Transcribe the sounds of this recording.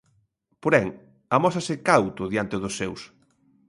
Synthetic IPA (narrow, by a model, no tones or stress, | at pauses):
poɾɛŋ | ɐmɔsɐsɪkawt̪ʊðjant̪ɪðʊsːews